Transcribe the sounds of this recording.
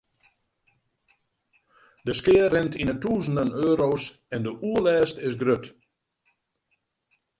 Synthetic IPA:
dəskɪərɛntʰinətuːzən̩dənøːɾoːsɛndəʔuəlɛːstɪsɡrøt

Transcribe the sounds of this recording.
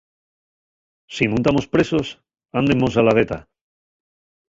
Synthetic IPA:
sinũnt̪amo̞spɾe̞so̞s | and̪emos̬alaðe̞t̪a̰

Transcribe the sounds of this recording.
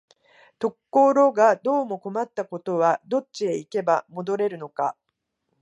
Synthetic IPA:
t̪o̞kːo̞ːɾo̞ːɡad̪o̞ːmo̞ko̞mat̪ːako̞t̪o̞βad̪o̞t͡ɕːie̞ike̞bamo̞d̪o̞ɾe̞ɾɯ̟no̞ka

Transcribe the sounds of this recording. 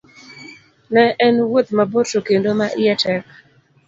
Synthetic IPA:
nɛʔɛnwot̪maboɾtokendomaʔɪɛtɛk̚

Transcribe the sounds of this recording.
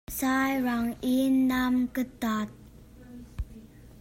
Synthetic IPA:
sajɾaŋinːamkətat̪̚

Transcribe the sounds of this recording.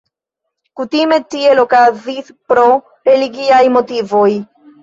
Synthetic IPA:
kutime̞tie̞lo̞kazispɾo̞ | ɾe̞liɡiajmo̞tivo̞j

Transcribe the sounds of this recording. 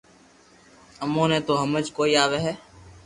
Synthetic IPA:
əmõːnẽːt̪oːɦəməd͡ʒkoːiːaːʋeːɦɛː

